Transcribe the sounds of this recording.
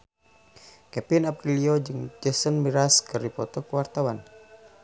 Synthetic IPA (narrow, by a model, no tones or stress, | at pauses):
kɛpinapɾiliod͡ʒɨŋd͡ʒɛsənmiɾaskɨrdipɔt̪ɔkəwart̪awan